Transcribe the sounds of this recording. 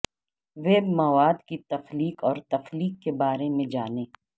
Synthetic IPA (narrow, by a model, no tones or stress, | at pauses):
ʋeːbmɐʋaːd̪kit̪ɐfliːkɔːɾt̪ɐxliːkːebaːɾemẽd͡ʒaːneː